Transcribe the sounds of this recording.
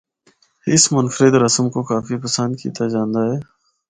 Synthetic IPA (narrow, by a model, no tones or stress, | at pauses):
ɪsmʊnfɾɪd̪ɾəsəmkokaːfipəsə̃nd̪̚kḭːt̪ad͡ʒãːnd̪aːɦɛː